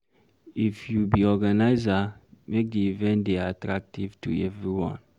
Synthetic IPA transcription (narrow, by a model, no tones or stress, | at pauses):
ifjubiɔɡanaɪzamek̚diivɛ̃ntdeatɹak̚tiv̥tṵɛvɹiwɔ̰̃n